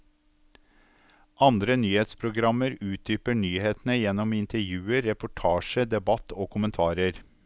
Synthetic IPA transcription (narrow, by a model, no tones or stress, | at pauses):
ʔɑnd̪ɾənyːheːt̪spʰɾʊɡɾɑməɾʉːt̪̚d̪yːpəɳyːheːt̪n̩əjɛnɔmɪnt̪əɾjʉːəɾːɛpʊʈʰɑːʃəd̪ɛbɑt̪ʰoːkʰʊmənt̪ʰɑːɾəɾ